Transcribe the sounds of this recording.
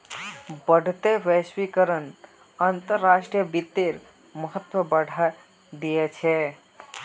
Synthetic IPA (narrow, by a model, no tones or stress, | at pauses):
bəɽ̤ʱt̪eʋɛswikəɾən | ənt̪əɾːasʈɾijəbit̪ːeɾ | məɦət̪wəbəɽ̤ʱa | d̪ijet͡ʃʰɛ